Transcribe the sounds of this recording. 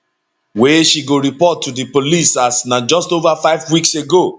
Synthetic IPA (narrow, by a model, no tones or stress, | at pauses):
weʃiɡoɹipɔtʰːudipolisasnad͡ʒɔstovafaɪvwikseɡo